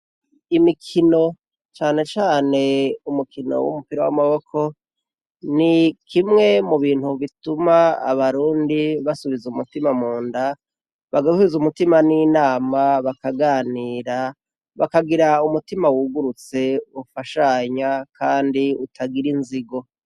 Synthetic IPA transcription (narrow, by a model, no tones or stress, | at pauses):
imikʰino̞ | t͡ʃaːne̞t͡ʃaːne̞umukʰino̞̰wṵmupiɾawa̰maβo̞kʰo̞ | nikʰimŋe̞muβiːn̥huβituma̰ːβaɾuːndiβasuβizumutimamuːnda | βaɡauβizumutimaninaːmaβakaɡaniːɾa | βakaɡiɾaumutimawuɡuɾut͡se̞βufaʃaɲakʰaːndiutʰaɡiɾinziɡo̞